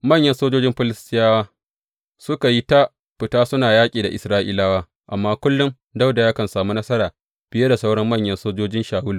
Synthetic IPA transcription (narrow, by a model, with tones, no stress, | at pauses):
mɐ˦˨ɲjɐ˦nsoː˦d͡ʒoː˦d͡ʒɪ˦mɸɪ˦lɪ˦stʼɪ˦jaː˦waː˦ | sʊ˦ka˨ji˦ta˦ | ɸɪ˨taː˦sʊ˦naː˨jaː˦kʲʼiː˨da˨ʔɪ̰˨sɾaː˦ʔi˦laː˦waː˦ | ʔa˨mːaː˦kʷʊ˦lːʊ˦m | da˦wda˨jaː˦kɐ˨nsaː˨mu˦nɐ˦sɐ˦ɾaː˨ | b̥ɪ˦je˦da˨sa˦wɽɐ˦mːɐ˦˨ɲjɐ˦nsoː˦d͡ʒoː˦d͡ʒɪ˦nʃaː˨wʊ˦lu˨